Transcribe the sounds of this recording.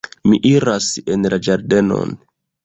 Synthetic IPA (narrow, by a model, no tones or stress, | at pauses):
miʔiɾasenlad͡ʒaɾde̞no̞̰n